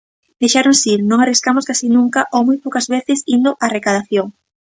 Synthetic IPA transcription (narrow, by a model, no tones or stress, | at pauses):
d̪ejʃaɾnʊsiɾnõŋariskamʊskasinũŋkɐʔomujpowkɐzβeθɪsind̪ʊʔarekað̞aθjoŋ